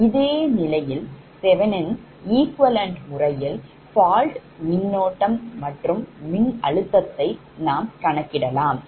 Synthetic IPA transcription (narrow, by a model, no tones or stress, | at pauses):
ɪðeːnɪlɐjɪl | sɛʋɐnɪn | iːkʋɐlɐɳʈmʊrɐjɪl | faːlʈmɪnːoːʈːɐmːɐʈrɯmːɪnɐ̰ɻɯt̪ːɐt̪ːɐɪ | naːmkɐɳɐkːɪɽɐlaːm